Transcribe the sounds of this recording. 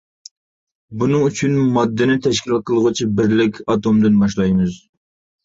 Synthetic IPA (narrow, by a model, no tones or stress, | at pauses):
bunɨŋyt͡ʃʰynmɑd̪ːɪnɪt̪ʰɛʃkʲilqʰəlˠʁʊt͡ʃʰibɪɾlɪkʲʰɑt̪omd̪ɨnbɑʃlˠɑjmɨz